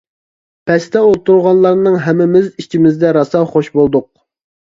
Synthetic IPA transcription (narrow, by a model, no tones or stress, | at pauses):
pʰɛst̪ʰɛolˠt̪uɾʁɑnlˠɑɾnɨŋɦɛmːɪmɪzit͡ʃʰimɪzd̪ɛɾɑsɑχoʃbolˠd̪ʊq̚